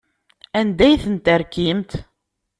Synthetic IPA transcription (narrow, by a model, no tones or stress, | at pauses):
ænd̪æjθənt̪əɾkimt̪